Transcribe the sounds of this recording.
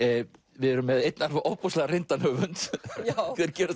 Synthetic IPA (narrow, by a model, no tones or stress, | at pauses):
vɪðɛɾʏmːɛðejt̪naɾvʏʔowpɔst̪lɛɣarɪnt̪anhœːvʏnt̪ | kvɛðɪɾcɛːɾa